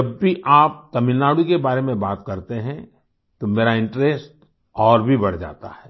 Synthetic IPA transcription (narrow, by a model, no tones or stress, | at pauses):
ɐbːiʔaːp̚k̪ɐmɪlnaːɽukebaːɾemẽbaːt̪kɐɾt̪eɦɛ̃ | t̪omeːɾaɪ̃ɳʈɾeːsʈ | ɔːɾbʱibɐɽ̤d͡ʒa̰ːt̪a̰ɦɛː